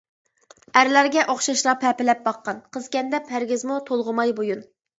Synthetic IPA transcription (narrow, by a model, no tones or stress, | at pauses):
æɾlæɾɡʲɛʔoχʃɑʃlˠɑpʰɛpɪlɛp̚bɑqːɑnqʰəzkʲɛnd̪ɛphæɾɡʲɪzmut̪ʰolˠʁʊmɑjbojun